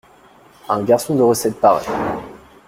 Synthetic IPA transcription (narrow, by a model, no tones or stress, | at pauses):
ɛ̃ɡaʁsɔ̃d̪əʁəsɛt̪̚paʁɛ̰